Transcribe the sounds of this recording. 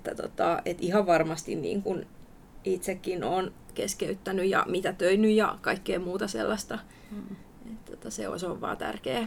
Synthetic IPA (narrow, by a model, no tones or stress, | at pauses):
et̪ːæt̪o̰t̪ːɑet̪ihɑʋʋɑrmɑst̪ḭnnḭːŋkun | it̪sekːinoːnkeskeyt̪ːænyjjɑ̰mit̪æt̪øinyjjɑ̰kɑikːeːmuːt̪ɑsḛlːɑst̪ɑ | et̪ːot̪ːæsḛo̰soʋʋɑ̰ːnt̪æ̰rkeː